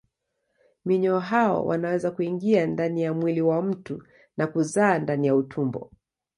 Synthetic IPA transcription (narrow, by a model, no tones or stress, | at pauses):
miɲɔːɦaɔ̰wʔa̰nawɛzakuiŋɡiandanijamwiliwam̩tu | nakuzaːndanijautʰumbɔ̰